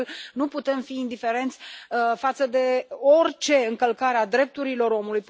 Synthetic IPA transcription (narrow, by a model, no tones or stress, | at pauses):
lnuput̪e̞mfiːnd̪ife̞ɾe̞nt̪sʲfat̪səd̪e̞o̞rʲt͡ʃe̞ɨŋkəlkaɾead̪ɾe̞p̚t̪uɾilo̞ɾo̞mulujp